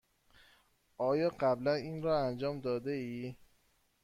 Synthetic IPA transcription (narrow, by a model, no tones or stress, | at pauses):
ʔɒːjɒːɢæblæniːnɾɒːænd͡ʒɒːmd̪ɒːd̪eiː